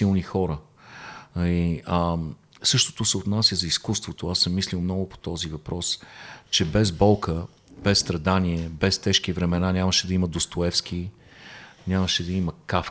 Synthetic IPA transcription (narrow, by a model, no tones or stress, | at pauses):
ilˠnixɔɾə | iə | sɤʃt̪o̥t̪osɛot̪nasʲjəzɐiskust̪vot̪oasəmːislilˠmnɔɡʊpo̥t̪ɔzivɐpɾɔst͡ʃɛbɛzbɔlˠkə | b̥ɛsːt̪ɾɐd̪aniɛbɛst̪ɛʃk̟ivɾɛmɛnanʲaməʃɛd̪ɐiməd̪ost̪oɛfsk̟i | nʲaməʃɛd̪ɐiməkaf